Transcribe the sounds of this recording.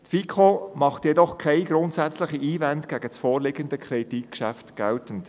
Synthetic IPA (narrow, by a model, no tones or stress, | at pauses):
t̪fikʰomɑχtjɛdɔχkʰɛɪɡɾʊntsæt͡slɪχiʔiːvɛntɡ̥æɡ̥ət͡sfɔːɾlɪɡənd̪əkʰɾedit̚kʃæftɡ̥ɛltən̩t